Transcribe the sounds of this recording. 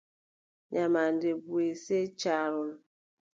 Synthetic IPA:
ɲamandebueset͡ʃaɾon

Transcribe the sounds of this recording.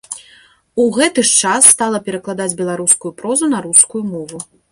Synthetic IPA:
uɣɛt̪ɨʂt͡ʂasːt̪alˠɐpʲɛɾɐklˠad̪ad͡zʲbʲɛlˠaɾuskujupɾɔzunɐɾuskujumɔvu

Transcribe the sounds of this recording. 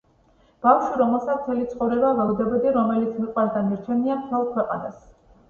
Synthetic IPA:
b̥afʃwiɾɔmɛlˠsat̪ʰt̪ʰɛlit̪sχɔvɾɛbavaud̪ɛbɛd̪iɾɔmɛlit̪sʰmiqʼwasd̪aniɾt͡ʃʰɛniamt̪ʰɛlˠkʰwɛqʼanas

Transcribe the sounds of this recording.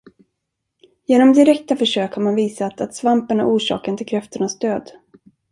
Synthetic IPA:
jeːnɔmd̪ɪɾɛk̚t̪afœʂøːkhaɾmanviːsat̪at̪svampəɳa̰ʔuːʂɑ̰ːkənt̪ʰɪlkʰɾɛft̪əɳasd̪øːd̪

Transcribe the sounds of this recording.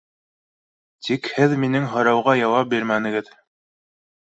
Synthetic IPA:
t̪ʰikhɘðminɘŋɦɤ̆ɾɑwʁɑjɑwɑp̚biɾmænɘ̆ɡɘð

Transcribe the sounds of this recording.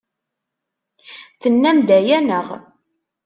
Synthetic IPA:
θənːæmd̪æjænəʁ

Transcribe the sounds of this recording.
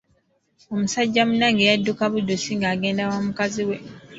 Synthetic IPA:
omusaɟːamunaŋɡejadːukaβudusiŋɡaːɡe̞ːndawamukaziwe

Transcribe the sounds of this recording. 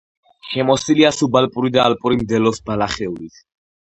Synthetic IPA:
ʃɛmɔsiliasubalpʼuɾid̪aːlpʼuɾimd̪ɛlɔsbalaχɛulit̪ʰ

